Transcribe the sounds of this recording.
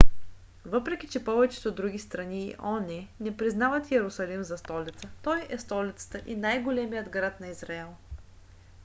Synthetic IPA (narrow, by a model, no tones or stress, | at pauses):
vɤpɾɛkʲit͡ʃɛpɔvɛt͡ʃɛ̥t̪od̪ɾuɡ̟ʲist̪ɾɐniʔɔnɛnɛpɾiznavət̪jɛɾʊsɐlimzɐst̪ɔlit̪sət̪ɔjɛst̪ɔlit̪sə̥t̪əʔinajɡolɛmijəd̪ɡɾat̪nɐizɾaɛlˠ